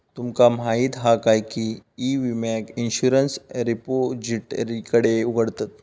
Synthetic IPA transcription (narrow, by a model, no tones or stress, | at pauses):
t̪umkamaɦiːt̪ɦakajkiːʋimakinɕuɾənsɾipod͡ʑiʈɾikəɽeuɡʱəɽt̪at̪̚